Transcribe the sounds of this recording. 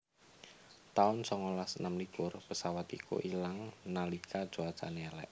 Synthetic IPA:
t̪aʊnsɔŋolasənamlikʊrpəsawat̪ḭkʰṵʔilaŋnalikʰad̥ʒ̥oad̥t͡ʃa̰nealɛ̰ʔ

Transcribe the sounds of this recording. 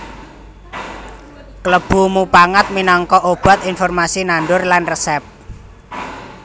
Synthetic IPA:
kləb̥ṳmupaŋat̪̚minɔŋkɔʔob̥a̤t̪infɔrmasinaɳɖʊrlanrəsɛp̚

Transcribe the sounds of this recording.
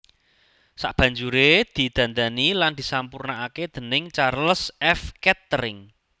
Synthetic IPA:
sa̰ʔb̥ä̤ɲd͡ʒuɾed̪̥i̤d̪̥ä̤nd̪aniland̪̥isampurnaaked̪̥ə̤nɪŋt͡ʃarləsɛfkɛt̪ːərɪŋ

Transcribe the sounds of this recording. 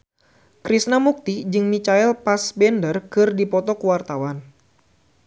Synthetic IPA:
kɾisnamuk̚t̪id͡ʒɨŋmit͡ʃaɛlpasbɛndərkɨrdipɔt̪ɔkəwart̪awan

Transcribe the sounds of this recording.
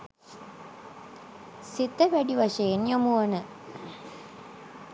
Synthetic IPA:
sit̪əʋæɖiʋaʂejenjomuɐnə

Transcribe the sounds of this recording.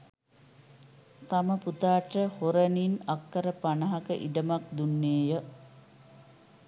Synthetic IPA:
t̪aməput̪aːʈəhoɾəninakːəɾəpanɐɦakə̰ʔḭɖəmak̚d̪unːeːjə

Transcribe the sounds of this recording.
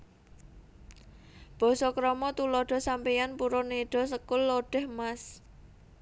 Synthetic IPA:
b̥ɔ̤sɔkɾɔmɔt̪ulɔɖ̥ɔ̤sampijanpuɾɔneɖ̥ɔ̤səkʊlːoɖ̥ɛ̤hmas

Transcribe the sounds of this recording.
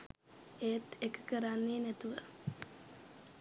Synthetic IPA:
eːt̪ekə̥kəɾanːeːnæt̪uʋə

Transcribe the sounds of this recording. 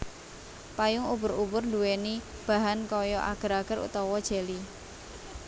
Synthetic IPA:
pajʊŋubʊ̤ɾubʊrnduweni | b̥a̤ɦankɔjɔʔa̰ɡ̥ə̤ɾaɡ̥ə̤ɾṵt̪ɔwɔd̥ʒ̥eli

